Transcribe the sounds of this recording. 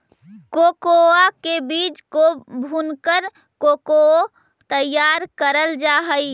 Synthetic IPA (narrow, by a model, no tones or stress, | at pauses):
kokoakebit͡ʃkobʱunkəɾ | kokoo | t̪əjːaɾkəɾəld͡ʒaɦəj